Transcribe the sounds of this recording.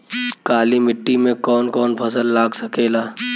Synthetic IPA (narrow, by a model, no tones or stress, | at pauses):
kaːlimɪʈːimẽkɔːnkɔːnpʰɐsəlːaːɡsɐkeːlaː